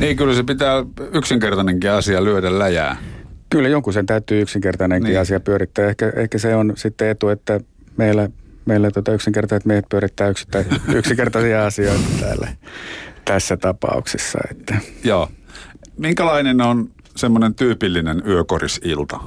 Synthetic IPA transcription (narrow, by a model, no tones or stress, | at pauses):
niːkylsepit̪æːyksiŋkert̪ɑneŋkiɑsiɑlyøɾællæjæ̰ːkylːæjoŋkusent̪æyt̪ːˑyːyksiŋkert̪ɑneŋiɑsiɑpyøɾit̪ːæːehkæḛhkæseonsit̪ːeet̪uet̪ːæ | meilːæmeilːˑæt̪uot̪ɑyksiŋkert̪ɑset̪miehet̪̚pyøɾit̪ːæːyksi̥t̪ːæiyksiŋkert̪ɑsiɑɑsioit̪ɑt̪æ̰ːlːæ̰ | t̪æsːæt̪ɑpɑ̰ṵksesːɑ̰ḛt̪ːæjoː | miŋkælɑinenon | semːonent̪yːpilːinenyøkorisilt̪ɑ